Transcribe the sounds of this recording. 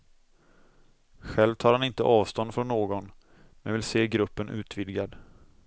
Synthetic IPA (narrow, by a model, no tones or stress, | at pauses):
ɧɛlvt̪ʰɑːɾhanɪnt̪ə̰ʔɑːvst̪ɔnd̪fɾɔnːoːɡɔn | mɛnvɪlseːɡɾɵpːənʔʉ̟ːt̪ʰvɪd̪ɡad̪